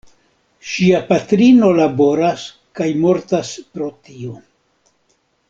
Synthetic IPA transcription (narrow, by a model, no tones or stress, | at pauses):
ʃiapatɾino̞labo̞ɾas | kajmo̞ɾtaspɾo̞tio̞